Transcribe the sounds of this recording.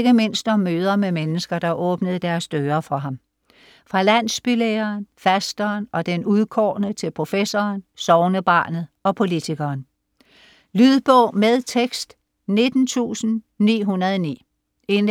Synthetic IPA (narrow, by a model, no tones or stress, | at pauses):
ɡ̥əme̝n̰sd̥ɒmːøːð̞ˠɐmemenəsɡ̥ɐd̥ɑ̈ʔɔːb̥nəð̞̩ˠd̥æɐsd̥øːɐfɒ̽ɦɑ̈m | fʁɑ̈læn̰sb̥ileːɐːnfæsd̥ɐːnʔɒ̽d̥enuð̞ˠkʰɒːnət͡sʰe̝lpʰʁo̝fesɒːnsɒʊnəb̥ɑ̰̈ːnð̩ˠɒ̽pʰo̝lit͡sʰiɡ̥ɐːn | lyðˠb̥ɔʊ̰með̞ˠt͡sʰeɡ̥sd̥ | ne̝d̥n̩t͡sʰṵːsn̩nḭːɦunɐðˠɒnḭː | e̝n